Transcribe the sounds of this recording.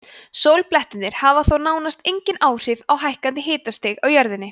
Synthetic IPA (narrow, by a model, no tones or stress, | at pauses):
sowlplɛht̪ɪnːɪɾ̥havaθownaːwnast̪ejɲcɪnaːwr̥ɪvawɦajhkant̪ɪɦɪːt̪ast̪ɪɣawjœɾðɪnːɪ